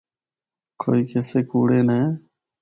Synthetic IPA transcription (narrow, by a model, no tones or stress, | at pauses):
kʰo̰ːiːkʰeːseːkuːɽeːneː